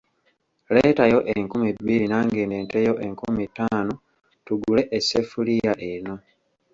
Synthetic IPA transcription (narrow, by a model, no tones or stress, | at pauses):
leːtajo̞ʔeŋkumibːiɾinaːŋɡeːndeːntejo̞ʔeŋkumitːaːno | tuɡule̞ʔesefulijaʔeno̞